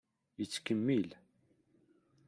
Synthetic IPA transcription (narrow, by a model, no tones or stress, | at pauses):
jət͡sːkəmːil